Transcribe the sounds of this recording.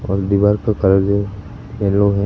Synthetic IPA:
ɔ̰ːɾd̪iʋaːɾkakɐɾəd͡ʒo | eːloɦɛ̃

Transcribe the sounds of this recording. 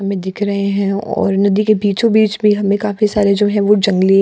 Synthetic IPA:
ɦɐmẽd̪ɪkʰɾɐɦeɦɛ̃ɔ̰ːɾnɐd̪ikebiːt͡ʃõbiːt͡ʃbʱiɦɐmẽkaːfisaːɾed͡ʒoːɦɛ̃ʋod͡ʒɐ̃ŋɡli

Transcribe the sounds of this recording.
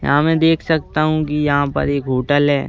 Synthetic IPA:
jɐ̰ɦãmɛ̃ːd̪eːkʰsɐk̚t̪aɦũkijɐɦãpɐ̰ɾeːkɡʱoːʈəlɦɛː

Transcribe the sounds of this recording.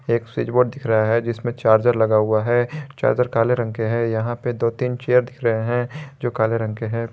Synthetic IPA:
eːksiːd͡ʒboːɖ̚d̪ɪkʰɾɐɦaɦɛd͡ʒɪsmẽt͡ʃaːɾd͡ʒəɾlɐɡaɦʊaɦɛt͡ʃa̰ːɾd͡ʒəɾkaːleɾə̃ŋkeɦɛ̃jɐɦãped̪oːt̪iːnt͡ʃeːjəɾd̪ɪkʰɾɐɦeɦɛ̃d͡ʒoːkaːleɾɐ̃ŋkeɦɛ̃ː

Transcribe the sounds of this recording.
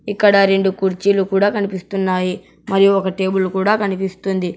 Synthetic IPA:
ikːɐɽɐɾe̞ɳɖukuɾt͡ʃilukuːɽaːkɐnipist̪unːaːji | mɐɾijuɔkɐʈe̞ːbulukuːɽaːkɐnipist̪und̪i

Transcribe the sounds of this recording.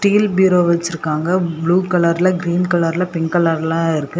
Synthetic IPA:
sʈiːlbjuːɾoːʋɐt͡ʃːɪɾɯkːaːŋɡɐbɭuːkɐlɐɾlɐɡɾiːnkɐɭɐɾlɐpɛnkɐlɐɾlãːɪɾɯkːɯ

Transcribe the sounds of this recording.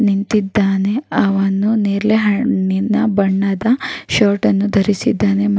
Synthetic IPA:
nint̪id̪ːaːne̞ɐʋɐnːuneːɾleɦɐinːɐbɐɳːɐd̪ɐʃoːɾʈɐnːud̪ʱɐɾisid̪ːaːne̞m

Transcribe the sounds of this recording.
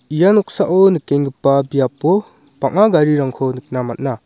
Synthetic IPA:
ijanɔk̚saʔɔnɯkːeŋɡɯpːabijapɔ | paŋaɡaɾiɾaŋkʰɔnɯk̚namat̚na

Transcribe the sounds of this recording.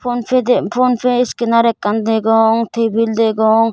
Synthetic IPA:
pʰɔnpʰɛd̪ɛpʰɔnpʰɛiskɛnaɾɛkːand̪ɛɡɔŋt̪ʰebild̪ɛɡɔŋ

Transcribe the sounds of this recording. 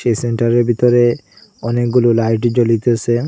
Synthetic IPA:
ʃeseɳʈaɾeɾbʱit̪ɔɾe | ɔnek̚ɡulolajʈ̬id͡ʑolit̪oase

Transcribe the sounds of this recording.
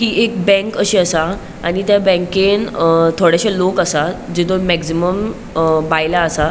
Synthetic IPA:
ɦiːʔekbɛ̃ŋkəɕiːəsa | a̰ɽ̃it̪jabɛ̃ŋkent̪ʰoɽjaɕalokəsad͡ʑet̪oɾmɛksiməm | bajlaəsa

